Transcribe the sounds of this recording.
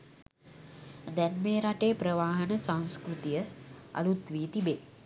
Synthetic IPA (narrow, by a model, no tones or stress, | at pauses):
d̪ɛnmeːɾaʈeːpɾəʋaːɦənəsãnskɾut̪ijəa̰lut̪ʋiːt̪ibeː